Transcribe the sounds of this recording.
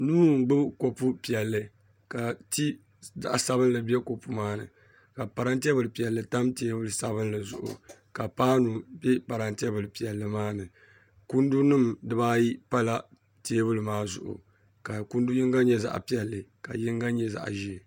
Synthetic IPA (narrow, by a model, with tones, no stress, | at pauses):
nuː˦˨ŋ̩˦ɡ͡bɨ˦bko˨pu˦pi˨ɛ˨lːɨ˨ | ka˨ti˦ | za̰˨ʔsa˨βɨ˦n˦lɨ˨bɛ˦ko˨pu˨maː˦nɨ̰˨ | ka˨pa˨ɾa˦nti˦ɛ˦bɨ˨lɨ˨pi˨ɛ˨lːɨ˨ta˦mteː˦bʊ˦lɨ˨sa˨bɨ˦n˦lɨ˨zʊ̰˨ʔʊ̰˨ | ka˨paː˦nu˨bɛ˦pa˨ɾa˨nti˦ɛ˦bɨ˨lɨ˨pi˨ɛ˨lːɨ˨maː˦nɨ˨ | ku˦ndu˦nɨ˦mdɨ˦baː˦ji˦pa˦la˦ | teː˦bʊ˦lɨ˨maː˦zʊ̰˨ʔʊ̰˨ | ka˨ku˦ndu˦ji˦ŋɡa˦ɲɛ˦za̰˦ʔpi˦ɛ˨lːɨ˨ka˨jɪ˦ŋ˦ɡa˦ɲɛ˦za̰˨ʔʒi˦˨